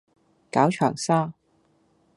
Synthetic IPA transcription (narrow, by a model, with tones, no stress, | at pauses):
kaː˨˥wt͡ʃʰœː˨˩ŋsaː˥